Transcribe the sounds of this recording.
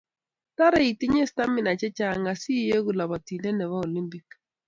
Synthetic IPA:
ta˦ɾɛ˦˨i˨tɪ˦ɲɛ˦sta˦mɪ˨na˨t͡ʃɛ˦t͡ʃa˦˨ŋɡa˨si˦je˦ɡu˨la˨ba˨ti˨lɛ˦nɛ˨βa˦o˨li˦mpi˦k

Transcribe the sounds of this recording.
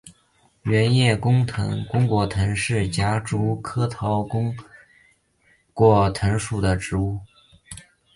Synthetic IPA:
ɥɛ˧˥njɛ˥˩kʊ˥ŋt̪ʰɤ̰˧˥ŋkʊ˥ŋkwɔ˨˩t̪ʰɤ˧˥ŋʂɻ̩˥˩t͡ɕja˥ʈ͡ʂu˥˩kʰɤ˥t̪ʰɑ˧˥ʊkʊ˥ŋ | kwɔ˥˩t̪ʰɤ˧˥ŋʂu˨˩d̪ə˩ʈ͡ʂɻ̩˧˥u˥˩

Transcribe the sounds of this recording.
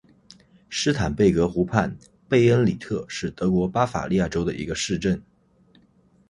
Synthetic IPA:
ʂɻ̩˥t̪ʰa˨˩npe˥˩ɪkɤ˧˥xu˧˥pʰa˥˧n | pe˥˩ɪə˥nli˨˩t̪ʰɤ˥˧ʂɻ̩˥˩t̪ɤ˧˥kwɔ˧˥pa˥fa̰˨˩li˥˧ja˥˩ʈ͡ʂo˥ʊd̪ə˨ʔi˧˥ɡə˧ʂɻ̩˥˧ʈ͡ʂə˥˩n

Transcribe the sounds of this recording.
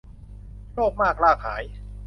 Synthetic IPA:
loː˥˩k̚maː˥˩k̚laː˥˩kha̰ː˩˦˥j

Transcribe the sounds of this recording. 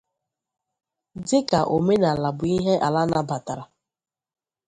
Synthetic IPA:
dɪ˦ka˨ʔo˨me˦na˨la˨bʊ˨i˦ɦe˦ʔa˨la˦na˦ba˨ta˨ɾa˨

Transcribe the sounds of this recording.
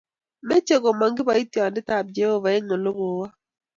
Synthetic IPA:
me˦t͡ʃe˦ɡo˨ma˨ŋɡɪ˦ba˨i˦tjɔ˨ndɪ˦ta˨p̚d͡ʒe˦ho˦˨va˨e˦ŋo˨lo˦ɡo˨wa˦

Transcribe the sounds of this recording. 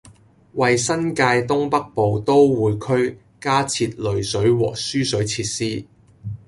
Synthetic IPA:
wɐ˨jsɐ˥nkaː˧jt̪ʊ˥ŋpɐ˥k̚po˨wt̪o˥wwuː˨˧jkʰɵ˥ɥ | kaː˥t͡sʰiː˧t̚lɵ˨ɥsɵ˨˥ɥwɔ̰ː˨˩k̚syː˥sɵ˨˥ɥt͡sʰiː˧t̚siː˥

